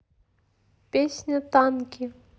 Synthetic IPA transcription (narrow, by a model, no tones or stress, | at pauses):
pʲesʲnʲət̪ankʲi